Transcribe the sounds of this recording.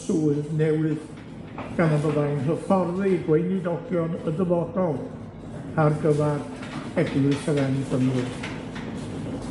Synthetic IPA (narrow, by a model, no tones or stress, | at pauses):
suːɨðnɛwɨð | ɡ̥anabəðajnrəfɔrðiɡwejnidɔɡjɔnədəvɔdɔlˠ | arɡəvad | ɛɡlɨsʰəðɛniɡəmɨr